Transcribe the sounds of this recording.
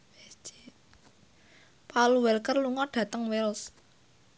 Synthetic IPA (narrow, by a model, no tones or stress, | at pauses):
paluwɛlkərluŋɔɖ̥ä̤t̪əŋwɪls